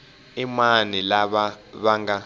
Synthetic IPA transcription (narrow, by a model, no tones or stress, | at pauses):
imanilaɓaβaŋɡa